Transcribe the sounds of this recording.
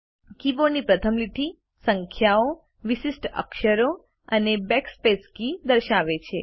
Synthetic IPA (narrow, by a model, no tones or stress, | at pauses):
kibonipɾət̪ʰəmliʈʰi | səŋkʰjao | ʋisisʈə̰kʃəɾo | ənebɛkspeskid̪əɾʃaʋet͡ʃʰe